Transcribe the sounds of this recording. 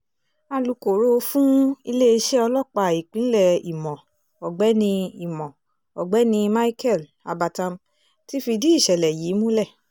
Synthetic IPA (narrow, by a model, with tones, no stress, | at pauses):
a˧lu˨˧ko˨ɾo˦˧fũ˦i˧le˦i˧ʃe˦ɔ˧lɔ˦˨k͡pa˧˨i˨k͡pĩ˨˦lɛ˦˨ḭ˨mɔ̃˨ | ɔ˨ɡ͡bɛ˨˦nĩ˧i˦˨mɔ̃˨ | ɔ˨ɡ͡bɛ˨˦nĩ˧ma˦i˦kɛ˦˨l | a̰˧ba˧tã˧m | ti˦fi˧di˦i˦˨ʃɛ˨lɛ˨jiː˨˦mũ˦lɛ˦˨